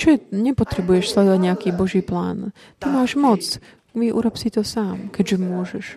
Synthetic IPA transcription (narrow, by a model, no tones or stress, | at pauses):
t͡ʃɔɛɲɛpɔt̪ɾɛbujɛʃslɛd̪ɔʋaɟɲɛakiːbɔʒiːpla̰ːn | t̪imaːʒmɔt͡s | ʋiʔṵːɾɔpsit̪ɔsaːmkɛɟʒɛmʊɔʒɛʃ